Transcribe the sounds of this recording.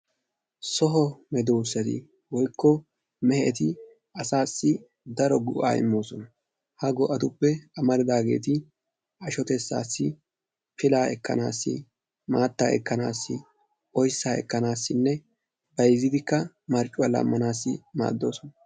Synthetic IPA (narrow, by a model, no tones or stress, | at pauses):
sɔɦɔmɛd̪oːsːɐd̪ɪ̰ | wɔjkʰːɔ | mɛhɛʔɛt̪ɪ | ɐsaːsːɪ | d̪ɐɾɔɡʊ̰ʔa̰ːɪ̰mːo̞ːsɔnɐ | hɐɡɔʔɐt̪ʊpːɛɐmɐɾɪd̪aːɡe̞̰ːt̪ɪ | ɐʃɔt̪ɛsːa̰ːsːɪ | pɪlaːɛ̰kːɐ̰naːsːɪ̰ | maːt̪ːa̰ːɛ̰kːɐna̰ːsːɪ | ʔɔjsːaːɛ̰kːɐnaːsːɪnːɛ | bɐjzːɪd̪ɪkːɐ | mɐɾt͡ʃʼːʊwɐlɐ̰mːɐnaːsːɪma̰ːd̪ːo̞̰ːsɔnɐ